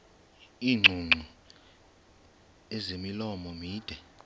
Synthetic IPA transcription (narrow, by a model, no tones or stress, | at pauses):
iːŋ͡ǀʱuŋ͡ǀʱu | ɛzemilɔmɔmiːd̥ʱɛ